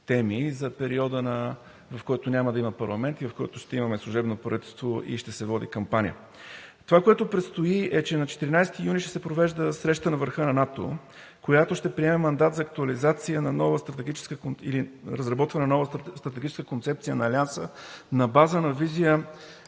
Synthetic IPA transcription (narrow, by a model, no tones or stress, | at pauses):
t̪ɛmizɐpɛɾiɔd̪ənɐ | vɐfkɔjt̪onʲamɐəd̪ɐimɐpɐɾlˠɐmɛnt̪ivɐfkɔ̰jt̪ʊʃt̪ɛimɐmɛslˠʊʒɛbnopɾit̪ɛst̪voʔḭʃt̪ɛsɛvɔd̪ḭkɐmpanʲḭə̰ | t̪ovakoɛt̪opɾɛt̪st̪oiɛt͡ʃɛnɐt͡ʃɛ̥t̪iɾinajst̪ijunʲiʃt̪ɛ̥sɛpɾovɛʒd̪əsɾɛʃt̪t̪ənɐvəɾxɤnɐnat̪o̰ | kojat̪oʃt̪ɛpɾiɛmɛmɐnd̪at̪zɐːk̚t̪uɐlizat̪siənɐnɔvəst̪ɾɐt̪ɛɡʲit͡ʃɛ̥skəkoḭliɾəzɾɐbɔt̪vɐnɛnnɔvəst̪ɾɐt̪ɛɡit͡ʃɛ̥skəkont̪sɛp̚t̪sijənɐːliansənɐbazənɐvizijə